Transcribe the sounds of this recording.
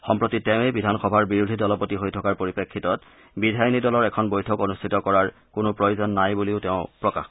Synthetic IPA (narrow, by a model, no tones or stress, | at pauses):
xɔmpɹotitɛʊ̃ebidʱanxɔbʱaɹbiɹudʱidɔlɔpotiɦojtʰɔkaɹpoɹipekʰːitɔt | bidʱajnidɔlɔɹɛkʰɔnbojtʰɔkonustʰitɔkɔɹaɹ | kʊnʊpɹojozɔnːajbuliʊtɛʊ̃pɹɔka̰x